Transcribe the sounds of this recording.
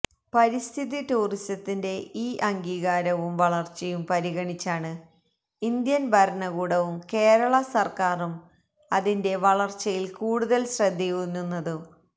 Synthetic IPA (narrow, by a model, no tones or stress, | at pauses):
pɐɾist̪ʰiðituːristɐt̪ːinde̞iːʔɐŋɡiːɣaːɾɐʋumʋɐɭɐrt͡ɕːɐjumpɐɾiɣɐɳit͡ɕːaːɳɨ | ind̪jɐnbʱɐɾɐɳɐɣuːɽɐʋumke̞ːɾɐɭɐsɐrkaːrum | ɐðinde̞ʋɐɭɐrt͡ɕːɐjilkuːɽuðɐlɕrɐd̪ʱːijunːunːɐðɨ